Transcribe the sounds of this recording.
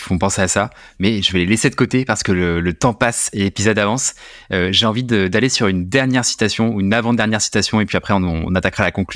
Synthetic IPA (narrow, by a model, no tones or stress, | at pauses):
fɔ̃pɑ̃seasa | mɛʒəvɛlelesed̪əkot̪epaʁsə̥kələlət̪ɑ̃paselepizɔd̪avɑ̃s | øʒeɑ̃vid̪əd̪alesyʁynd̪ɛʁnjɛʁsi̥t̪asjɔ̃ynavɑ̃d̪ɛʁnjɛʁsi̥t̪asjɔ̃epɥiapχɛɔ̰̃nat̪akʁalakɔ̃kl